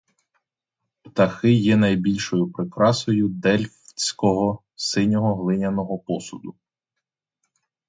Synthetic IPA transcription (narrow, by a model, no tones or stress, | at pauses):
pt̪ɐxɪjɛnɐjbʲilʲʃɔjʊpɾɪkɾɑsɔjʊd̪ɛlʲft͡sʲkɔɦɔ | sɪnʲɔɦɔɦlˠɪnʲɐnɔɦɔpɔsʊd̪ʊ